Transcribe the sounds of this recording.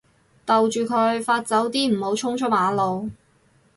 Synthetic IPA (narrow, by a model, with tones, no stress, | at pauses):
t̪ɐ˨wt͡ʃyː˨˩kʰɵ˨˧˥ɥfaː˧t̚t͡sɐ˨˥wt̪iː˥m̩˨˩ho˨˥wt͡sʰʊ˥ŋt͡ʃʰɔː˨˥maː˨˥lo˨w